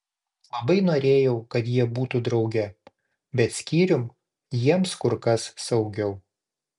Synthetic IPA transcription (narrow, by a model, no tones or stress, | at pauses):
lˠɐbɐɪnoːɾʲeːjɛʊkɐt̪jiɛbuːt̪ud̪ɾɒʊɡʲɛ | bʲɛt̪sʲkʲiːɾʲʊm | jiɛmskʊɾkɐsːɐʊɡʲɛʊ